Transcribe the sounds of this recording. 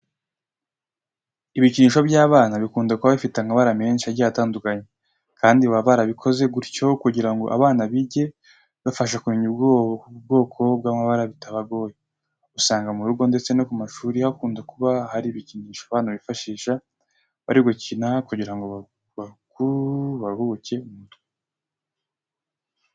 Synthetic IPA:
iβiciɲiːʃo̞bɟaːβaːnaβikuːndakuβaβifitaŋaβaɾame̞ːnʃiaɾɟaataːndukaɲe | kʰaːndiwaβaɾaβikʰo̞ze̞ɡuɾco̞kuɟiɾaŋɡo̞ʔa̰βaːnaβiɟe̞ | βafaʃ̬akumiɲubɡob̚ɡo̞ːkʰo̞b̚ɡaːmaβaɾaβitaβaɡo̞ːje | usaːŋɡamuɾuɡo̞nde̞t͡se̞nokumaʃuːɾihakuːndakuβahaɾiβiciɲiːʃaβaːnaβifaʃiːʃa | βaɾiɡocinakuɟiɾaŋɡo̞βa | βakuβahuce̞uumutɡe

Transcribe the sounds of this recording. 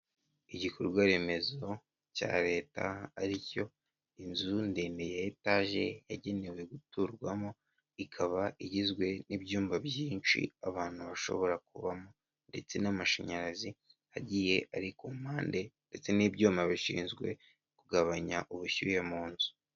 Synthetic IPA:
iɟikʰoɾuɡwaɾe̞me̞zo̞ | ca̰ːɾe̞ːta̰ːɾico̞ | inzundiːndejaitaːʒe̞̰jaɟe̞ne̞we̞ɡutuɾɡwamo | ikʰaβaʔiɟizɡwe̞nibɟuːmbabɟiːnt͡ʃḭaβaːn̥huβaʃo̞̰βo̞ɾak̚uβamo | nde̞t͡se̞namaʃa̰ɲaɾazihaɟije̞ʔaɾikumhaːnde̞nde̞t͡se̞nibɟuːmaβiʃḭːnzɡwe̞̰ | kuɡaβaɲaʔuβuçujamuːnzu̥

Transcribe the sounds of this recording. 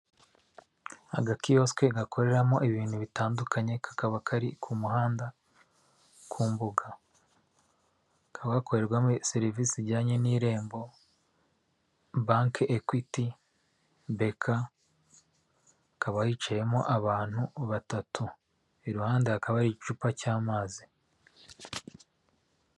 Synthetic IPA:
a̰ɡakijo̞ske̞ɡakʰo̞ɾe̞ɾamo̞ʔiβiːnhuβitaːndukʰaɲe̞kʰḁkaβakʰaɾikʰumuɦaːnda | kʰuːmbuɡa | kʰaβɡako̞ɾe̞ɾɡwameseɾivisiɾɟaːɲeniɾe̞ːmbo̞ | baːŋkekwiti | be̞kʰa | kaβahiːt͡ʃaje̞mo̞̰ʔaβaːn̥huβatatu | iɾuhaːndaakaβaɾiit͡ʃupacaːmaːzi

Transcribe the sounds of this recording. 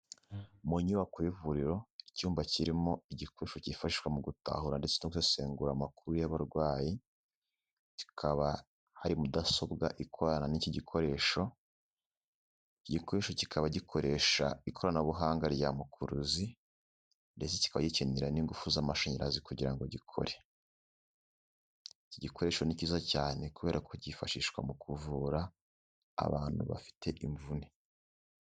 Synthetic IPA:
muɲuβakuβivuɾiɾo̞icuːmbaciɾimo̞iɟikoɾeʃocifaʃiʃwamuɡuta̰ɦuɾande̞t͡senoɡusese̞ːŋɡuɾamakuɾujaβaɾɡwaːji | ci̥kʰaβa | haɾimudaso̞bɡaʔikʰoɾananiciɟikʰo̞ɾe̞ːʃo̞ | iɟikoɾe̞ʃo̞ci̥kʰaβaɟikʰo̞ɾe̞ːʃa̰ikʰo̞ɾanaβuɦaːŋɡaɾɟamukʰuɾuzi | nde̞t͡seci̥kaβaɟiceniɾaniŋɡufuzamaʃoɲeɾazikuɟiɾaŋɡo̞ɟikʰo̞̰ɾe̞ | iciɟikʰoɾe̞ːʃo̞niciːzacaːne̞kuβe̞ːɾakoɟifaʃiːʃwa̰mukuvuːɾa̰ː | βaːn̥hṵβa̰fi̥tʰe̞ʔiɱvune

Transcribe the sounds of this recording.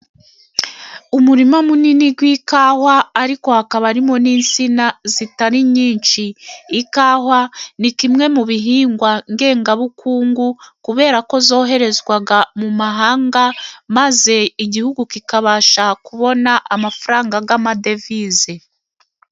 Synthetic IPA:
umuɾimamuniniɡwikaːhwaːɾiko̞hakaβaɾimo̞niːnt͡sinazitaɾiɲiːnt͡ʃiːkaːhwanikimŋe̞muβiɦiːŋɡwaŋɡe̞ːŋɡaβukʰuːŋɡukuβe̞ːɾako̞zo̞ːɦe̞ɾe̞zɡwaɡamumaɦaːŋɡamaze̞iɟihuɡukikaβaːʃakuβo̞naʔamafaɾaːŋɡaɡamade̞vize

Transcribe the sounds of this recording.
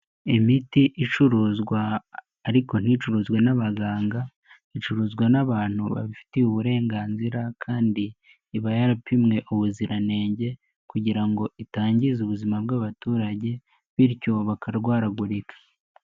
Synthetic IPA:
imitiʔit͡ʃuɾuːzɡwaː | ɾiko̞n̥it͡ʃuɾuːzɡwenaβaɡaːŋɡa | it͡ʃuɾuːzɡwanaβaːn̥huβa̰βifi̥teuβuɾe̞ːŋɡaːnziɾakʰaːndiː | βajaɾapimŋe̞ʔuβuziɾʔane̞ːɲɟe̞ | kuɟiɾaŋɡo̞itaːɲɟizuβuzimabɡaβatuːɾaɟe̞ | βiɾco̞βakaɾɡwaːɾaɡuɾikʰḁ

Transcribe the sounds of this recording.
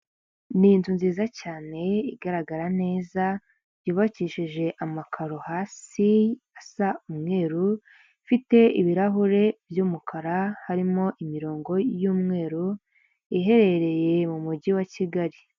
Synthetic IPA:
nintunziːzacaːne̞iɡaɾaɡaɾane̞ːza | juːβaciːʃiʒe̞ʔamakʰaɾohaːsi | asaumŋe̞ːɾu | fite̞iβiɾaɦuɾe̞vjuːmukʰaɾahaɾimo̞ʔimiɾo̞ːŋɡo̞juːmŋe̞ːɾu | iɦe̞ɾe̞ɾe̞je̞mumuɟiwaciɡaɾi

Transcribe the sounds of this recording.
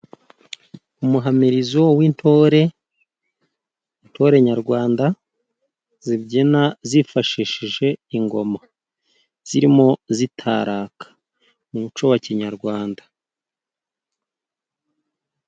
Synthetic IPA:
umuɦamiɾizowintʰoɾe̞ | n̥tʰo̞ɾe̞ɲaɾɡwaːnda | zibɟinazifaʃiʃiʒe̞iŋɡo̞ma | z̥iɾimo̞zitʰaːɾaːkḁ | muut͡ʃowaciɲaɾɡwaːnda

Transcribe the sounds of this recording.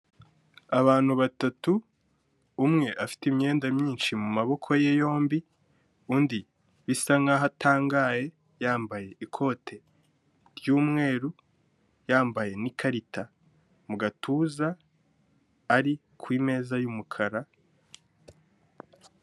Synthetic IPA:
aβaːn̥huβatatuː | mŋe̞ʔafi̥timɲe̞ːndamɲiːnʃimumaβo̞kʰo̞jejo̞ːmbi | undi | βisaŋaɦatʰaːŋɡaje̞ | jaːmbaje̞ʔikʰo̞ːtʰe̞ | ɾjuːmŋe̞ːɾu | jaːmbaje̞nikʰaɾitʰa | muɡatʰuza | ɾi | kʰwiːme̞ːzajumukʰaɾa

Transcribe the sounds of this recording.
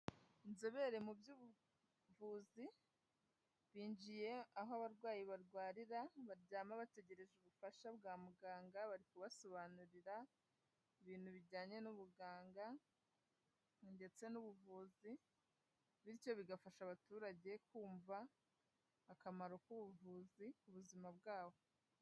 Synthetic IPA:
nzeβe̞ɾe̞mubjuːβu | vuːzi | βiːɲd͡ʒije̞aɦoaβaɾɡwaːjiβaɾɡwaːɾiɾaβaɾɟaːmaβate̞ɟe̞ɾe̞ʒuβufaʃabɡaːmuɡaːŋɡaβaɾikuβaso̞βanuɾiɾa | iβiːn̥huβiɟaːɲe̞nuβuɡaːŋɡa | nde̞t͡se̞nuβuvuːzi | βiɾo̞βiɡafaʃaβatuːɾaɟe̞kuːɱvaː | kamaɾo̞kuβuvuːzikuβuzimabɡaːβo̞

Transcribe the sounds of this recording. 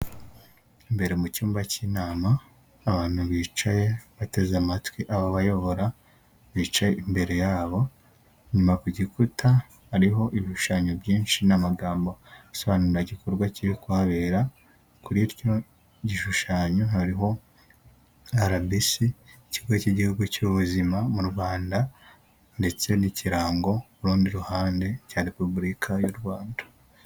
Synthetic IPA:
imbe̞ɾe̞mucuːmbaciːnaːmaː | βaːn̥huβiːt͡ʃaje̞βate̞zamatwiʔaβaβajo̞βo̞ɾa | βiːt͡ʃajeimbe̞ɾe̞jaːβo̞ | ɲumakuɟikutʰa | haɾiɦo̞ʔiβiʃu̥ʃaːɲobjiːnʃinamaɡaːmbo̞aso̞βanuɾaɟikoɾɡwaciɾikuhaβeɾa | kuɾiɾɟo̞ | ɟiʃuʃaːɲohaɾiɦo̞ | aɾabisi | cihuɡwaciɟihuɡucuːβuzimamuɾwaːnda | nde̞t͡se̞niciɾaːŋɡo̞ | uɾuːndiɾuhaːnde̞caɾepubuɾikʰajuɾɡwaːndḁ

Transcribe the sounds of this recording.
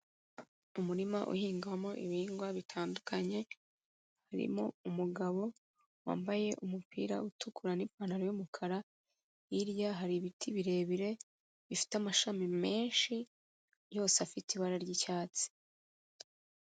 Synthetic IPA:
umuɾimaʔṵhiːŋɡwamo̞ʔiβiːŋɡwaβitʰaːndukʰaɲe̞ | haɾḭmo̞umuɡaβo̞ | wa̰ːmbaje̞ʔumupʰḭːɾa̰utʰukuɾanipanaɾojumukʰaɾa | iɾjaɦaɾiβitʰiβiɾe̞ːβiɾe̞ | βifi̥tamaʃamime̞ːnʃi | jo̞ːseafitiβaɾaɾɟicaːt͡si̥

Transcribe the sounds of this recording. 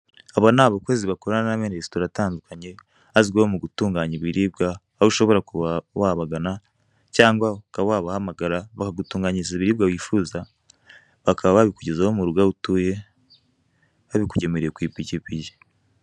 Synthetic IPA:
aβanaβakeziβakoɾananamenestoɾataːndukʰaɲe̞ | aziɡwehomuɡutuːŋɡaːɲiβiɾiːbɡa | aβuʃo̞βo̞ɾakuβawaβaɡana | caːŋɡwakaβawaβahamaɡaɾaβakaɡutuːŋɡaɲizaiβiɾiːb̚ɡawiːfuːza | βakʰaβaβaβikuɟezahomuɾuɡautuːje̞ | βaβikuɟe̞meɾejekwiːpicipiji

